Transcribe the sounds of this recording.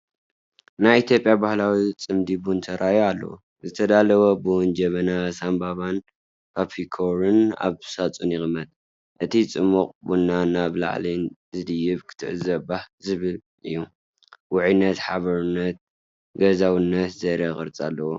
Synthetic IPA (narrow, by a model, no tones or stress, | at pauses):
najit̪jo̞pʼjabahlawit͡sʼɨmd̪ibunt̪ʰɐɾʔajalːɐ̰wu | zɨt̪ʰɐd̪alɐwobɨwnd͡ʒɐmɐnasambaβan | pʰapʰikʰoɾɨna̰βsat͡sʼunjɪxʼmɐt̪̚ʼ | ʔɨt̪ʰit͡sʼɨmːuqʼbunːanaβla̰ʕlinzɨd̪ɨjɪβkʰɨ̥t̪ʰɨ̰ʕzɐbahzɨβɨl | ʔɨjːu | wʊʕɨnːɐt̪ħaβɐɾunːɐt̪̚ | ɡɐzawɨnːɐt̪zɐɾɐkʼɨ̰ɾt͡sʼa̰lːɐwo